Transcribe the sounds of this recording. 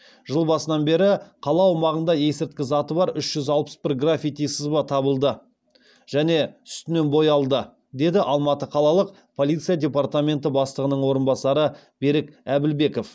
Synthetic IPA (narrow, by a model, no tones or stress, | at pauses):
ʒəlˠbɑsənɑnbe̞ɾɪqʰɑlˠɑwɑmɑʁənd̪ɑje̞sɪɾt̪̚kʲɪzɑt̪əbɑɾʏʃʒ̥ʏzɑlˠpə̥sbɪɾɡrafʲit̪ijsɪzbɑt̪ʰɑbəlˠd̪ə | ʒ̥æne̞ʏ̥st̪ɪne̞nbo̞jɑlˠd̪ə | d̪e̞d̪ɪʔɑlˠmɑt̪əqʰɑlˠɑlˠəq̚ | pʰo̞lʲˠijt̪sɨjadʲe̞part̪amʲe̞nt̪ɪbɑst̪ˠəʁənəɴwo̞ɾənbɑsɑɾə | be̞ɾɪkæbɪlbe̞ko̞f